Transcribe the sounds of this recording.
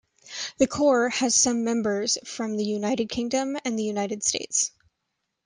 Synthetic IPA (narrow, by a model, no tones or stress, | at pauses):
ðɨkʰɔɹɨz̥sʌ̃mːɛ̃mbə˞z̥fɹʌ̃mðɨjʉnaɪɾɨd̚kʰɪ̃ŋdɨ̃mɨ̃nðɨjʉnaɪɾɨd̥stḛɪts